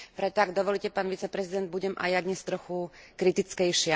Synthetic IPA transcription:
pɾɛt̪ɔaɡd̪ɔʋɔlicɛpaːnʋit͡sɛpɾɛzid̪ɛnd̪̚buɟɛmʔa̰jad̪ɲɛst̪ɾɔxukɾit̪it͡skɛjʃɪa

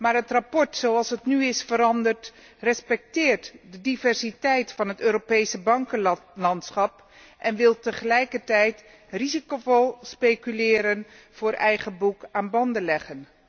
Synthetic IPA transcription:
maːɹɦətrapɔɹtsowɑlˠsɦətnyɪsfəɾɑndərt | rɛspɛk̚tɪːɹtdədivɛɹsitɛjtfɑnɦətøːɾopejsəbɑŋkəlɑntsχɑp | ʔɛnʋɪlˠtəχəlɛjkəɹtɛjt | rizikovolˠspejkylɪːɾən | v̥ʊːɹʔɛjχəbukaːnbɑndəlɛχən

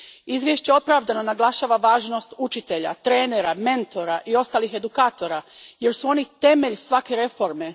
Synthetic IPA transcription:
izʋjeʃt͡ɕeo̞pɾaʋd̪ano̞naɡlˠaʃaːʋaʋaːʒno̞st̪ut͡ʃit̪e̞ʎa̰t̪ɾe̞ːne̞ɾame̞nt̪o̞ɾaʔio̞st̪aːlixe̞d̪ukaːt̪o̞ɾaje̞ɾsuo̞nit̪e̞me̞ʎsʋake̞ɾe̞fo̞ɾme̞

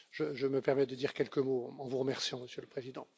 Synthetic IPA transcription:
ʒəʒəməpɛʁmɛd̪əd̪iʁkʲɛlkəmoɑ̃vuʁəmɛʁsjɑ̃məsjøləpχezid̪ɑ̃

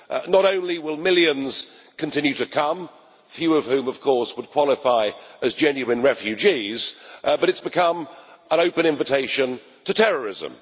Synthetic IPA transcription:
nəɾõʊ̃nliwɪlˠmɪlˠjɨ̃nz̥ | kʰɨ̃n̩tʰɪ̃njʉɾɨkʰʌ̃m | fjʉʌv̥hʉ̃mʌv̥kʰɔɹswəd̚kʰw̥ɑlˠɪfaɪɨzd͡ʒɛ̃njʉɨ̃nɹɛfjʉd͡ʒiz̥bʌɾɨtsb̥ɨkʰʌ̃mə̃noʊpɨ̃nɪ̃ɱvɨtʰeɪʃɨ̃n | tʰɨtʰɛɹə˞ɪzə̰̃m

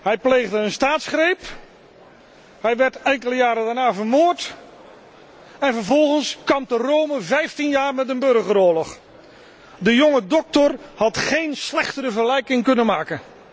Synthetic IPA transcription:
ɦɛjplejɣdəənstaːtsχrejp | ɦɛjʋɛɹtɛŋkələjaːɾədaɹnaːvəɹmoːɹt | ɛnvəɹvɔlˠχənskɑmtərowməvɛjftinjaːɹmɛt̬ənbɵrχəɾʊːlɔχ | dəjʊŋədɔk̚tɔrhɑtχejnslɛχtəɾəvərlɛjkɪŋkɵnənmaːkən

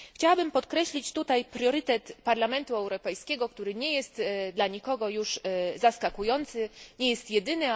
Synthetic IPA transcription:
xt͡ɕawabɘmpɔt̪kɾɛɕlʲit͡ɕt̪ut̪ajpɾjɔɾɘt̪ɛt̪paɾlamɛnt̪uɛwɾɔpɛjskʲɛɡɔkt̪uɾɘɲɛjɛst̪d̪laɲikɔɡɔjuʂzaskakujɔnt̪sɘɲɛjɛst̪jɛd̪ɘnɘ

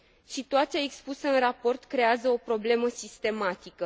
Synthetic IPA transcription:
sit̪uat̪siaekspusəɨnrapo̞rt̪kɾe̞azəo̞pɾo̞ble̞məsist̪e̞mat̪ikə

